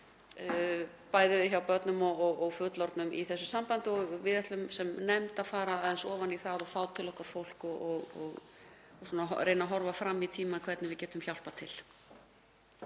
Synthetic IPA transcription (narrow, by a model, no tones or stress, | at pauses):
paːjðɪðɪçawpœt̪nʏmɔɣɔɣɔɣfʏt̪lɔɾt̪nʏmʔḭθɛsːʏsampant̪ɪɔɣvɪðɛht̪lʏmsɛmnɛmt̪aðfaːɾaaðɛnsɔːvaniθaðɔfaːwt̪ʰɪlɔhkvaɾfowl̥kɔɔɣɔɣ | sɔːnaɦɔɾejnaɦɔɾvafɾamːit̪ʰiːmakʰvɛɾt̪nɪvɪðcɛːt̪ʏmçjawl̥pat̪ʰɪl̥